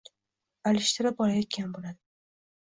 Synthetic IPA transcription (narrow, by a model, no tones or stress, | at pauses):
alɪʃt̪ʰɪɾap̚ɒlajet̪̚ʲkʲʰanbolad̪ɪ